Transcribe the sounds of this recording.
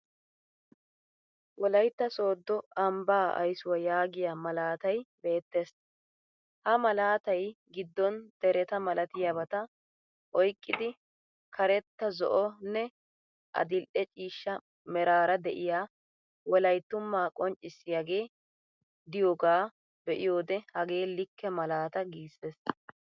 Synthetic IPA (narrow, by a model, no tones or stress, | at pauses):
wɔlɐjt̪ːɐso̞ːd̪ːɔɐmbaːʔɐ̰jsʊwɐjaːɡɪjamɐlaːt̪ɐjbe̞ːt̪ːeːs | hɐmɐlaːt̪ɐjɡɪd̪ːɔnd̪̥ɛɾɛt̪ɐmɐlʔɐt̪ɪjaβɐt̪ɐ | ʔɔjkʼːɪd̪ɪ | kʰɐɾɛt̪ːɐzɔ̰ʔɔnːɛ | ʔɐ̰d̪ɪlʔɛt͡ʃʼiːʃːɐ | mɛɾaːɾɐd̪ɛʔɪjaː | wɔlɐjt̪ːʊmːaːkʼɔnt͡ʃʼːɪsːɪjaɡe̞ː | d̪ɪjoːɡaː | bɛʔɪjo̞ːd̪ɛhɐɡe̞ːlɪkːɛmɐlaːt̪ɐɡiːsːeːs